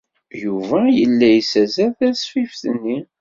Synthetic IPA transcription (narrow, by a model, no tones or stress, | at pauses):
juvæjəlːæjsæzæθæsfifθənːi